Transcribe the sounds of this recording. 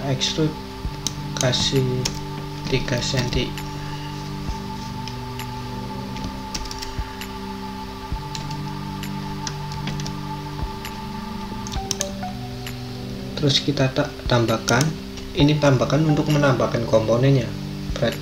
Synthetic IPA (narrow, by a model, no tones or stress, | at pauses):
ɛksut̪̚ | kasi | t̪ikasɛnt̪i | t̪əɾʊskit̪at̪ambakan | init̪ambakanunt̪ʊk̚mənambakankɔmpɔnɛnja | b̥əɾat̪